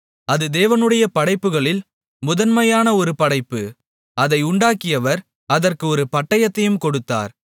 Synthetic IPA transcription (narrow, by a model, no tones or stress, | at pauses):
ɐðɯd̪eːʋɐnɯɽɐjɐpɐɽɐɪpːɯɣɐɭɪl | mʊðɐnmɐjaːnɐɔɾɯpɐɽɐɪpːɯ | ɐðɐɪʊɳɖaːkːɪjɐʋɐɾ | ɐðɐrkɯɔɾɯpɐʈːɐjɐt̪ːɐjɯmkɔɽɯt̪ːa̰ːɾ